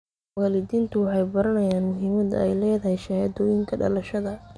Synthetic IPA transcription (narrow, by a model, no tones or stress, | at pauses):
waːlɪd̪iːnt̪ʰʊwɑħɑjbɐɾɐnɐjaːnmʊɦiːmɐd̪ɐ̰ɛ̰jlɛːðɐɦɛjʃɐhɐd̪ɔːjɪŋkʰɐɖɐ̰lɐʃɐðɐ